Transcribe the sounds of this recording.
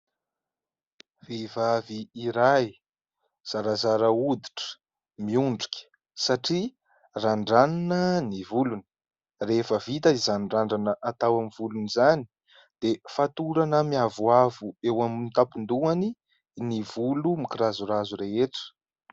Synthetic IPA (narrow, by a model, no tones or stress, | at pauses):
vevaviːɾaj | z̥aɾazaɾəud̪iʈ͡ʂə̥ | miuɳɖ͡ʐukʲə̥ | saʈ͡ʂi | raɳɖ͡ʐaninənivuluni̥ | refəvit̪aizanɖ͡ʐaɳɖ͡ʐanəʔat̪awamivulunizani | d̪̥efat̪uɾanəmiavuavuewaminit̪apund̪uani | nivulumikiɾazuɾazuɾeɦeʈ͡ʂə̥